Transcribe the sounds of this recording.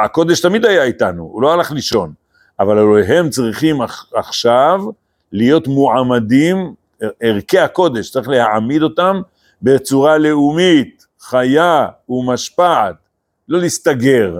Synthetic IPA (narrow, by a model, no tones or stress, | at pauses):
ako̞d̪eʃt̪amid̪ajaitanṵṵlo̞alaχliʃo̞n | avalaloɦe̞mt͡sʁiχimaχaχʃav | lijo̞t̪muʕamad̪im | eʁkehako̞d̪eʃt͡saʁiχle̞haʕamid̪o̞tam | be̞t͡suʁale̞umit̪ | χajaumaʃpaʕt̪ | lo̞list̪aɡe̞ʁ